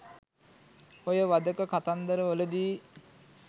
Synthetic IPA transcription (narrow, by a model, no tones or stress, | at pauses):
ojəʋad̪əkəkat̪and̪əɾəʋoləd̪iː